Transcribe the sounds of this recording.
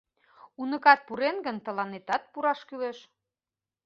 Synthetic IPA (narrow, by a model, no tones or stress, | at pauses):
unə̆kɑt̪̚puɾenɡənt̪ə̆lɑnet̪ɑt̪̚puɾɑʃkyleʃ